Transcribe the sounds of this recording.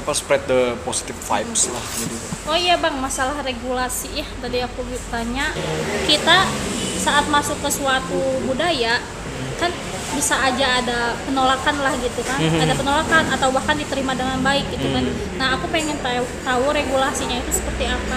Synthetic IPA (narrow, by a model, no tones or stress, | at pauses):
apaspɾɛt̪̚dəposi̥t̪ɪffa̰jpsla̰hɡit̪uojabaŋmasalahreɡulasiaht̪adiakubit̪aɲakit̪asaʔːt̪̚masʊkːəsuat̪ubudaja | kan | bisaːd͡ʒaːdapənolakanlahɡit̪ukanadapənolakanat̪awbahkandit̪əɾimadəŋanbaɪk̚ɡit̪ukan | naɦakupeŋɛnt̪at̪auɾeɡulasiɲait̪usə̥pərt̪iapa